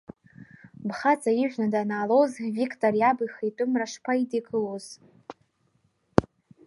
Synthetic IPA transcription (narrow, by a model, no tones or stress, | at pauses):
bχat͡sʼaiʒᶣʷnadanaːlowzvikʰʼtʼorjabɨjχejtʷʼʊmraʂpʰaidiɡʰʼɨloz̥